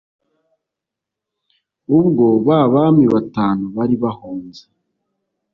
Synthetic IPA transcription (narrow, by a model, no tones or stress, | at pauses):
ubɡo̞βaβamiβataːnuβaɾiβahoːnze̥